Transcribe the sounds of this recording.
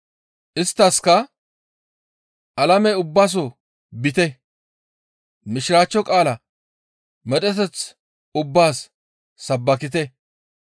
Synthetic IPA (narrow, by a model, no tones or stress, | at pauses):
ʔɪst̪ːɐskɐ | ʔɐlɐmɛʊbːaːs̬ɔ | bɪt̪ɛ | mɪʃɪɾaːt͡ʃːɔkʼaːlɐ | mɛt̪ɛt̪ɛt͡s | ʊbːaːsː | ɐbːɐkɪt̪ɛ